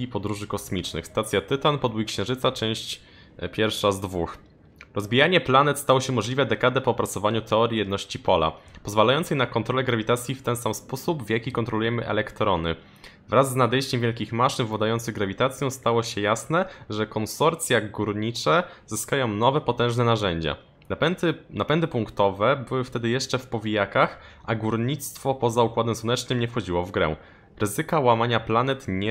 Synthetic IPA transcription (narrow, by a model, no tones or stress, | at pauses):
ipɔd̪ɾuʐɘkɔsmʲit͡ʂnɘ̰xst̪at̪sʲjat̪ɘt̪anpɔd̪wuikɕɛ̃w̃ʐɘt̪sat͡ʂɛ̃w̃ɕt͡ɕ | pʲjɛɾfʂazd̪vux | ɾɔzbʲijaɲɛplanɛt̪st̪awɔɕɛmɔʐlʲivɛd̪ɛkad̪ɛpɔːpɾat̪sɔvaɲut̪ʰɛɔɾʲjijɛd̪nɔɕt͡ɕipɔla̰pɔzvalajɔnt̪sɛjnakɔnt̪ɾɔlɛɡɾavʲit̪at̪sʲjift̪ɛnsamspɔsubvjakʲikɔnt̪ɾɔlujɛmɘʔɛ̰lɛkt̪ɾɔnɘ | vɾazːnad̪ɛjɕt͡ɕɛmvʲjɛlkʲixmaʂɘnvwad̪ajɔnt̪sɘɣɡɾavʲit̪at̪sʲjɔ̃w̃st̪awɔɕɛjasnɛʐɛkɔnsɔɾt̪sʲjaɡuɾɲit͡ʂɛzɘskajɔ̃w̃nɔvɛpɔt̪ɛ̃ʐnɛnaʐɛɲd͡ʑa̰ | napɛnd̪ɘpuŋkt̪ɔvɛbɘwɘft̪ɛd̪ɘjɛʂt͡ʂɛfpɔvʲijakaxʔaɡuɾɲit̪st̪fɔpɔzaukwad̪ɛmswɔnɛt͡ʂnɘmɲɛfxɔd͡ʑiwɔvɡɾɛ̰̃ | ɾɘzɘkawamaɲaplanɛt̪ɲ